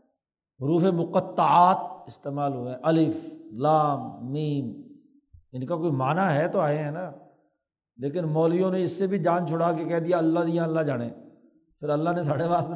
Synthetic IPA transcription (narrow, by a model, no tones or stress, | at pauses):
ɦʊɾuːfemʊqət̪ːaaːt̪̚ɪst̪eːmaːlɦʊẽɦɛ̃ʔɐlɪflaːmːiːm | ɪnkakoːimaːnaɦɛt̪oaːeɦɛ̃ːna | leːkɪnmɔːlijõneɪsːebʱid͡ʒaːnt͡ʃʰʊɽakekɛɦd̪ijaɐlːad̪ijãlːad͡ʒaːɽ̃ḛ̃ː | pʰɪɾɐlːanes̬aːɽeʋaːs